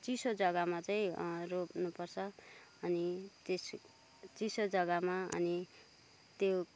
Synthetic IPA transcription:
t͡sisod͡zʌɡamat͡saĩropnupʌrt͡sʰʌ | ʌnites | t͡sisod͡zʌɡamaʌ̰ni | t̪jo

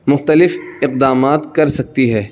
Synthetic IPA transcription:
mʊxt̪əlɪfɪq̚d̪aːmaːt̪kɐɾsɐk̚t̪iɦɛː

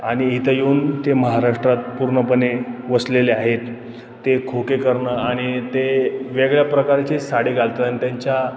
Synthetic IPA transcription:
aɽ̃iit̪ʰəjeuːnt̪eməɦaɾaʂʈɾat̪̚puɾɳəpəneʋəsleleaɦet̪ː | ekʰokekəɾɳəaɽ̃it̪eʋeɡɭjapɾəkaɾt͡ɕesaɽiɡʱalt̪t̪anit̪jaɲt͡ɕja

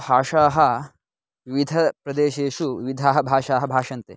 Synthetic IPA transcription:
bʱaːʂaːɦɐ̆ | ʋiʋid̪ʱɐpɾɐd̪eːʃeːʃuʋḭʋid̪ʱaːɦɐbʱaːʂaːɦɐbʱaːʂɐnt̪eː

